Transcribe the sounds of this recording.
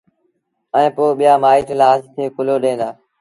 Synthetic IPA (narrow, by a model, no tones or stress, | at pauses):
ɛ̃ːpoːɓɪjaːmaːiːʈlaːɦəst̪ʰẽːkʊloːɗẽːnd̪aː